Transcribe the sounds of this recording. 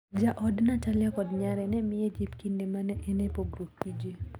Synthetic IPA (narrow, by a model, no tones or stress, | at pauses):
d͡ʒaʔɔdnataljakɔdɲaɾɛnɛmɪjed͡ʒipkindemanɛʔɛnɛpoɡɾukːid͡ʒe